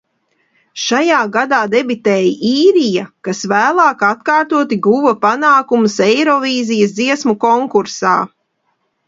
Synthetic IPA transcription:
ʃajaːɡad̪aːd̪ebit̪ɛːjʔiːɾijakasvæːlˠaːkat̪̚kaːɾt̪uɔt̪iɡuvɐpanaːkumsɛjɾɔviːzijɐsd̪ziɛsmukɔŋkuɾsa̰ː

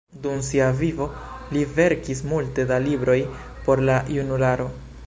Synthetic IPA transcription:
dumsiavivo̞ | live̞ɾkis̬multe̞dalibɾo̞j | po̞ɾlajunulaɾo̞

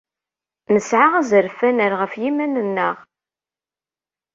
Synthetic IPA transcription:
nəsʕaʁæzəɾfænəɾʁəfjimænənːəʁ

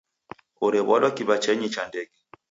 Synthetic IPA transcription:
oɾɛβɔlɔkiβat͡ʃɛɲit͡ʃandɛɡɛ

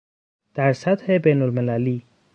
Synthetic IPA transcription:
t̪aɾsɐt̪hebeːnʊlmɪlaːliː

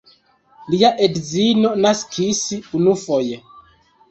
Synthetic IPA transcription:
liaʔedzinonaskʰisiunufoje

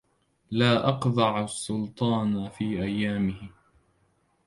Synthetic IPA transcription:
laːʔɑqd̪ˤɑʕʊsːʊlt̪ˤɑːnfiːʔajːaːmɪhɪ

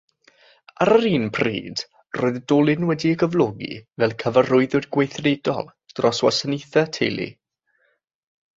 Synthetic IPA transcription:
aɾəɾiːnpʰrḭːd̥ | roːɨðdɔːlˠɪnwɛdiəɡəvlˠɔɡḭvɛlˠkʰəvarʊɨðʊdɡwejθredɔ̰lˠ | d̥rɔswa̰səneθɛtʰejlˠḭ

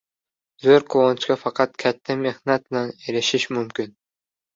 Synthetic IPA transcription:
zøɾkʰoont͡ʃkʲɑfɑqɑt̪kʲʰæt̪ʰːɪmehnat̪̚naneɾɪʃiʃmymkʲin

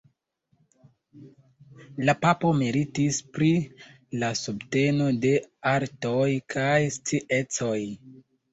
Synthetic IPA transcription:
lapapo̞miɾitispɾi | lasubte̞no̞de̞aɾtojkʰajst͡siʔe̞t͡so̞j

